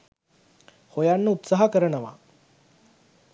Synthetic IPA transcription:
hojanːəut̪saɦakəɾənəʋa̰

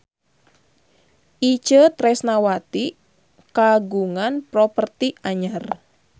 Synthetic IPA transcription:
ʔit͡ʃət̪ɾɛsnawat̪i | kaɡuŋanpɾɔpərt̪iaɲar

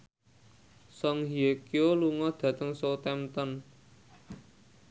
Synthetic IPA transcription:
sɔŋɦiekioluŋɔd̪̥ä̤t̪əŋsot̪ɛmt̪ɔn

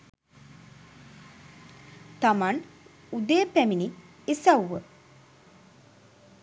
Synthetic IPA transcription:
t̪aman | ud̪ejːpæmini | esawːə

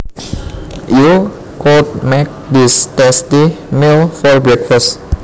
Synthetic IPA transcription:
ju | kɔt̚mɛk̚distɛstimelfɔɹbɹɛkfəst

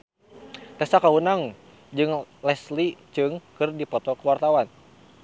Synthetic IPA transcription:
t̪ɛsakaunaŋ | d͡ʒɨŋlɛslit͡ʃɨŋkɨrdipɔt̪ɔkəwart̪awan

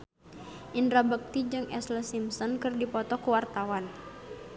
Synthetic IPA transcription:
ʔindɾabək̚t̪id͡ʒɨŋʔɛsləsimsɔnkɨrdipɔt̪ɔkuwart̪awan

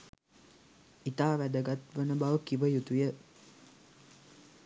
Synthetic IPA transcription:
it̪aːʋæd̪əɡat̪ʋənəbaʋəkiʋəjut̪ujə

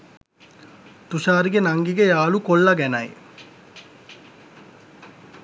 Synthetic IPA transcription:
t̪uʃaːɾiɡenaŋɡiɡejaːlukolːaɡɛnaj

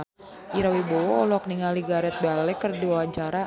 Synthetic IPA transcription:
ʔiɾawibɔwɔːlɔk̚niŋaliɡaɾɛt̪̚bealɛkɨrdiwawaɲt͡ʃaɾa

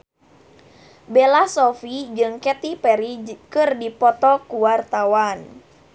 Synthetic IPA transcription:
belasɔfid͡ʒɨŋkɛt̪ipɛɾikɨrdipɔt̪ɔkuwart̪awan

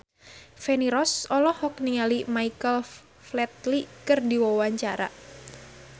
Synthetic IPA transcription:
feniɾɔsɔlɔhɔk̚niŋalimaikəl | flɛt̪̚likɨrdiwawaɲt͡ʃaɾa

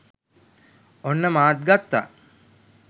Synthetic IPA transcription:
onːəmaːt̪̚ɡat̪ːa̰

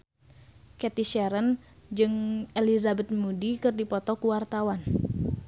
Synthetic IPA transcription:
kɛt̪iʃɛɾənd͡ʒɨŋelizabɛt̪̚mudikɨrdipɔt̪ɔkuwart̪awan

